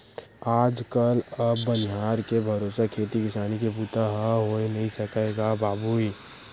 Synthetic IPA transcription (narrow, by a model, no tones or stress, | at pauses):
aːd͡ʒkələbːənɦaːɾkebʱɐɾoːsakʰeːt̪ikɪsaːnikepuːt̪aɦəɦoenɐɦĩsəkeɡabaːbui